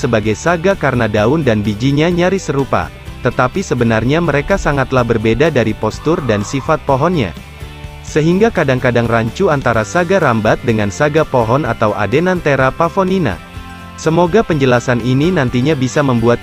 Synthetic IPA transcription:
səbaɡajsaɡakarnadaʊndanbid͡ʒiɲaɲaɾisəɾupa̰ | t̪ət̪apisəbənarɲaməɾekasaŋat̪lahbərbedadaɾipɔst̪ʊrdansifat̪̚poɦɔnɲa̰ | səɦiŋɡakadaŋkadaŋraɲt͡ʃuant̪aɾasaɡaɾambat̪̚dəŋansaɡapoɦɔnat̪awʔa̰denant̪eɾapafɔnina̰ | səmoɡapəɲd͡ʒəlasanininant̪iɲabisaməmbuat̪̚

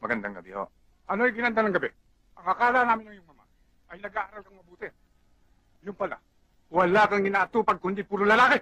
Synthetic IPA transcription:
mɐɡɐnd̪aŋɡɐbɪho̰ʔ | ʔɐnoɐjɡɪnɐnd̪anɐŋɡɐbɛ | ʔɐŋɐkaːlanaːmɪnɐŋjʊŋmɐma̰ | ʔɐjnɐɡaːʔaɾalkɐŋmɐbuːt̪ɪ | jʊnpɐla̰ | wɐlakɐŋɪnaːʔt̪upɐɡ̚kʊnd̪ipuɾʊlɐlaːkɪ

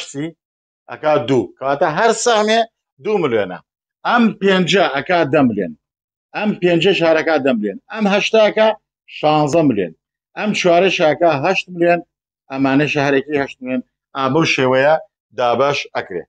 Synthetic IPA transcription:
si | ʔɐ̰kaːd̪uːkʰaːt̪ɐɦɐɾsɐhme | d̪uːmɨljenɐ̰ | ʔɐmpeːnd͡ʒɐʔɐkaːd̪ɐmɨlḛːn | ɐmpeːnd͡ʒeʃaːɾɐkaːd̪ɐmɨljenɐmɦɐʃt̪aːka | ʃɑːnzɐmɨljḛːn | ʔɐmt͡ʃʰwaːɾeʃaɐkaɦɐʃt̪̚mɨljen | ɐmːaːneʃɐɦɐɾekihɐʃt̪̚mɨleːn | aːbɐwʃeːwɐjɐ | d̪aːbɐʃɐkɾḛː

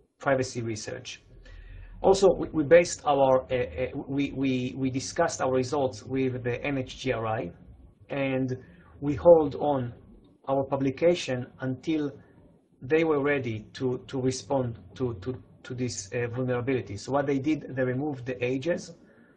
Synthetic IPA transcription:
pʰɹajvasiɹisə̰ɹt͡ʃ | ʔɔlˠsowiwibeɪst̪ʰawəɹ | wiwiwid̪iskast̪awəɹːizɔlt̪swiðəʔɛ̃net͡ʃdiaɹajʔɛ̃nd̪wihold̪ɔ̃n | ʔawəɹpablikʰeʃɔ̃nãnt̪ʰil | ðejwəɹːɛd̪it̪ʰut̪ʰuɹispɔ̃ndt̪ut̪ut̪ʰud̪isvulnɛɹabilit̪isowɔt̪̚ðejd̪id̪ðeɹimuvd̪ʔejd͡ʒɛz

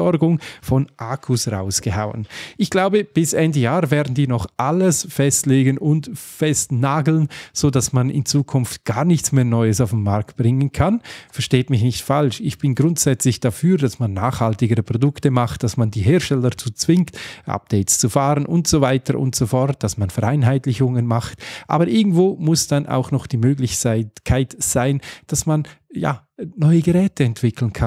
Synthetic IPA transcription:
ɔɾɡʊŋfɔnʔaːkʰusʁa̰ʊsɡ̥əha̰ʊə̰nʔɪçɡ̥laʊbəb̥ɪsʔɛndəjaːʁvɛːʁdn̩diːnɔχʔaləsfɛstleːɡənʊntfɛstnaːɡl̩nz̥oːdasmanɪ̰nt͡suːkʰʊnftɡ̥aːʁnɪçtt͡smeːɐnɔʏəsaʊfmːaɾk̚t̚b̥ʁɪŋənkʰanfɛɐʃteːtmɪçnɪçtfalʃɪçb̥ɪnɡʁʊntz̥ɛt͡slɪçd̥afyːɾdasmanːaːχhaltɪɡəɾəpʁ̥odʊktəmaχt̚d̥asmandiːɦeːɐʃtɛlət͡suːt͡sv̥ɪŋktʔa̰p̚d̥eɪtst͡sufaːʁənʔʊntz̥ovaɪtəɾʔʊ̰ntsofɔɾt̚d̥asmanfɛʁaɪnɦaɪtlɪçʊŋənmaχtʔa̰ːbəɾʔɪɡŋ̩tv̥oːmʊsd̥anʔa̰ʊxnɔχd̥iːmøːɡlɪçkʰaɪtz̥aɪnd̥asman | ja̰ː | nɔʏəɡəʁɛːtəɛntv̥ɪkʰl̩nkʰan

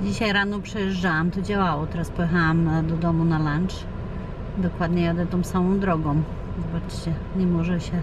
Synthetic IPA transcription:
d͡ʑiɕajɾanɔpʂɛjɛʐd͡ʐawamt̪ɔd͡ʑawawɔt̪ɛɾaspɔjɛxawamd̪ɔd̪ɔmunalant͡ʂ | d̪ɔkwad̪ɲɛjad̪ɛt̪ɔ̃w̃samɔ̃w̃d̪ɾɔɡɔ̃w̃ | zɔbat͡ʂt͡ɕɛɲɛmɔʐɛɕɛ

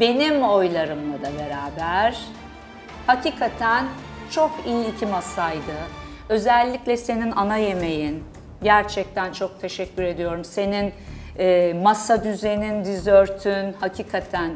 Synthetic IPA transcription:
be̞nimo̞jlˠaɾɯmlˠad̪abe̞ɾaːbæɾ̥ | hacʰiːkʰat̪ʰæn | t͡ʃʰo̞kijiːcʰimasajd̪ɯ | ø̞zɛlʲːiclʲɛse̞ninanaje̞me̞jin | ɟæɾt͡ʃʰɛc̚t̪ʰænt͡ʃʰo̞k̚t̪ʰe̞ʃɛcʰːyɾe̞d̪ijo̞ɾumse̞nin | ɛːmasad̪yze̞nind̪izøɾt̪ʰynhacʰiːkʰat̪ʰæn

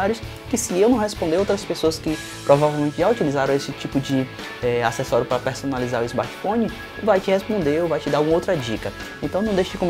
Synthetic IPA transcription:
aɾjʊs | kɪsɪewnɐ̃w̃ɦespõnd̪eɾowt̪ɾɐspesoɐskɪ | pɾɔvavewmẽnt͡ʃɪʒaut͡ʃilizaɾɐ̃w̃esɪt͡ʃipʊd͡ʒɪ | ɛasɛsɔɾjʊpɾɐpeɾsõnalizaɾʊizma̰t͡ʃi̥fõnɪ | vajt͡ʃɪhespõnd̪eovajt͡ʃɪd̪aɾũɐowt̪ɾɐd͡ʒikɐ | ẽnt̪ɐ̃w̃nɐ̃w̃d̪eʃɐd͡ʒɪkõm

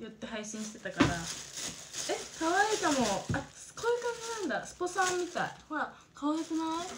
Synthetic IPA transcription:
jot̪ːe̞ɦaiɕĩɕi̥t̪e̞t̪akaɾa | ekaβait̪amo̞asɨ̥koikakenãnd̪asɨ̥posãmːʲit̪aihoɾa | kʰaβaikɯna

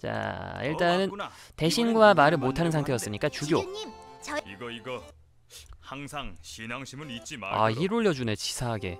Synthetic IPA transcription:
t͡ɕa̰iɭt͈anɯnte̞ɕʰinɡuamaɾɯɭmotʰanɯnsʰaŋtʰeʌs͈ɯmɲik͈at͡ɕuɡjoimt͡ɕiɡʌiɡʌ | haŋsʰaŋɕʰinaŋɕʰimɯnit̚t͡ɕ͈ima̰iɾoʎːʌd͡ʑunet͡ɕi̥sʰaɦaɡe̞̰

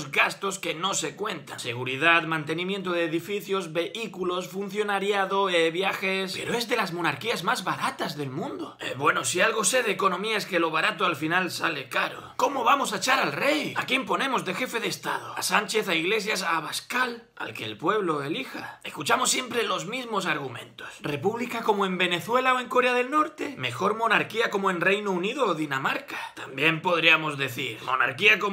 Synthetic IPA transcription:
zɣast̪o̞ske̞no̞se̞kwẽ̞nt̪anse̞ɣ̞uɾið̞at̪mãnt̪e̞nĩmjent̪̬oð̞eːðifiθjo̞zβe̞ʔikulo̞sfun̟θjonaɾjaðoeβjaxespe̞ɾoe̞zðe̞lazmo̞naɾkiazmazβaɾat̪azðe̞lmũnd̪oebwe̞nosialɣo̞se̞ðeːko̞nõ̞miaeske̞lo̞β̞aɾat̪oalfinalsale̞kaɾo̰ko̞moβamo̞saet͡ʃaɾalre̞jakjempo̞nẽ̞mo̞zðexe̞feðeːst̪a̰ð̞oasant͡ʃe̞θaiɣle̞s̬jasaβaskal | a̰lkḛːlpwe̞β̞loelixaeskut͡ʃamosːje̞mpɾelo̞zmizmo̞saɾɣ̞umẽ̞̰nt̪osre̞puβlikako̞moẽ̞mbe̞ne̞θwe̞laoe̞ŋkoɾeaðe̞lno̞ɾt̪e̞me̞xo̞ɾmõ̞naɾkiako̞moẽnre̞jnouniðoːðinamaɾkḁt̪ambje̞mpo̞ð̞ɾiamo̞zðe̞θiɾmo̞̰na̰ɾkiako

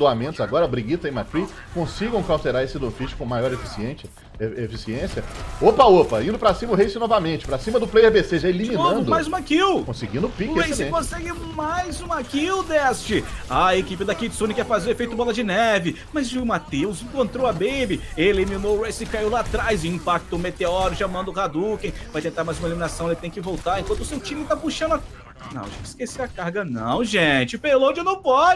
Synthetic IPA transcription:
d̪oamẽnt̪ʊzaɡɔɾɐbɾiɡit̪ɐẽmak̪ɾi | kõsiɡɐ̃w̃kawt̪eɾaɾesɪd̪õfit͡ʃɪ̥kõmajɔɾefisiẽ | efisiẽsiɐopɐopɐĩnd̪ʊpɾɐsĩmɐʊhesɪnɔvɐmẽnt͡ʃɪ̥pɾɐsĩmɐd̪ʊplejehbeseʒaelimiñɐ̃d̪ʊmajzũmakiwkõsiɡĩnd̪ʊpikeesjsɪẽkõsɛɡɪmajzũakiwd̪ɛst͡ʃɪaekipɪd̪ɐkid͡ʒ̪sõnɪkɛɾfazewefejt̪ʊbɔlɐd͡ʒɪnɛvɪ | mɐzʒmat̪ewzĩkõnt̪ɾowɐbejbɪelimĩnoɾejsɪkaiwlat̪ɾajzĩpak̚t̪ʊmet̪eɔɾiʊʒamɐ̃nd̪ʊhad̪ukẽj̃vajt̪ẽnt̪aɾmajzũmelimĩnasɐ̃w̃elɪt̪ẽj̃kɪvowt̪aɾẽkwɐ̃t̪ʊsewt͡ʃĩmẽt̪apuʃɐ̃nd̪ɐ | nɐ̰̃w̃ʒẽɪ̥skeseɐkaɾɡɐnɐ̰̃w̃ʒẽt͡ʃɪpelõd͡ʒewnɐ̃w̃pɔd͡ʒɪ

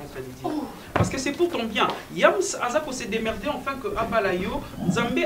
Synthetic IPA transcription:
paʁsə̥kəsɛpuʁt̪ɑ̃bjɛ̃jamsazakõsed̪emɛʁd̪eɑ̃fɛ̃kəʔapalajonzãmbe

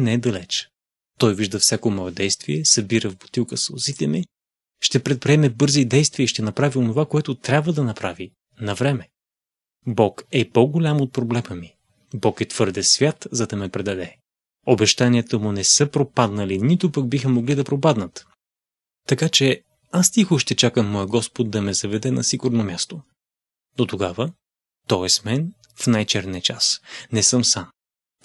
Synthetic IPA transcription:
nɛɛd̪ɐlɛt͡ʃ | t̪ɔjviʒd̪ɐfsʲjakomɔɛd̪ɛjst̪viɛsɐbiɾəvbo̥t̪ilˠkəsʊzit̪ɛmi | ʃt̪ɛpɾɛt̪̚pɾiɛmɛbɤɾzid̪ɛjst̪viəiʃt̪ɛnɐpɾavionovakoɛt̪ʊt̪ɾʲabvəd̪ɐnɐpɾavi | nɐvɾɛmɛ | bɔkɛpoɡolʲamot̪̚pɾoblɛməmi | bɔkɛt̪v̥ɤɾd̪ɛsvʲjat̪zɐd̪ɐmɛpɾɛd̪ɐd̪ɛ | obɛʃt̪aniət̪əmʊnɛsɤpɾopad̪nəlinit̪ʊpəɡ̚bixəmoɡlid̪ɐpɾopad̪nət̪ | t̪ːɐkat͡ʃɛ | ast̪ixoʃt̪ɛt͡ʃakəmːɔjəɡɔspod̪̚d̪ɐmɛzɐvɛd̪ɛnɐ̰siɡʊɾnomʲast̪o | d̪ot̪oɡavə | t̪ɔɛsmɛn | fnajt͡ʃɛɾniət͡ʃasnɛsɤmsam

